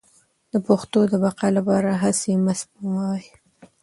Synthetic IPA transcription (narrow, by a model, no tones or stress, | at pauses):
d̪əpoxt̪od̪əbɑqalapɑɾaɦasemasbuwawj